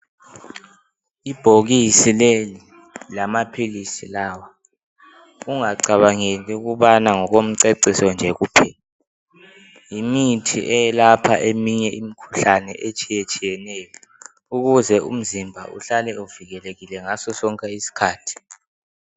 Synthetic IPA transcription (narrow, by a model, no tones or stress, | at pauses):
ib̥ʱoɣisileli | lamapʰilisilaːwa | uŋaǀaβaŋeliuɣuβanaŋɔɣom̩ǀeǀisɔnd͡ʒʱɛɣuːpʰɛ | jimitʰḭʔɛjɛlapʰa̰ʔemiɲɛʔimikʰu̥ɬanɛ̰ʔet͡ʃʼijet͡ʃʼijɛnɛjɔ | uɣuzɛṵm̩zimbʱa̰uɬalɛuviɣɛleɣilɛŋasɔsɔŋkʼɛisi̥kʰaːtʰi̥